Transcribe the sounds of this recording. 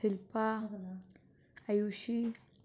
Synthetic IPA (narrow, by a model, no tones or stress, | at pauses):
ɪlpa | ajuʃi